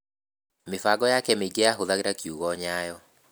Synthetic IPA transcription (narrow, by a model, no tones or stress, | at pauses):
mɪfaɡɔjakɛmeɡeaɦʊðaɣɪɾakiuɣɔɲajɔ